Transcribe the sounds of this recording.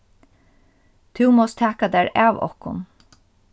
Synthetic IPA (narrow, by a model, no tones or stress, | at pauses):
t̪ʰʉːmɔst̪ʰæːkad̪æːɹɑːʋɔ̰hkʊ̰n